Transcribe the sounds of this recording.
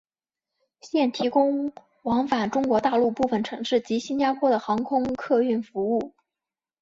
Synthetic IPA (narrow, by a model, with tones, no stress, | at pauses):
ɕjɛ˥˩nt̪ʰi˧˥kʊ˥ŋ | wɑ˧˥ŋfa˨˩nʈ͡ʂʊ˥ŋkwɔ˧˥t̪a˥˧lu˥˧pu˥˩fə˨˩nʈ͡ʂʰɤ˧˥ŋʂɻ̩˥˩t͡ɕi˧˥ɕi˥nt͡ɕja˥pʰwɔ˥d̪ə˨˩xɑ˧˥ŋkʰʊ˥ŋkʰɤ˥˧y˥˩nfu˧˥u˥˩